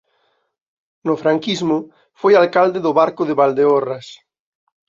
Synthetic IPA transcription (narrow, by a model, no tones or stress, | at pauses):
nʊfɾaŋkizmʊ | fojalkald̪eðʊβaɾkʊðeβald̪eoras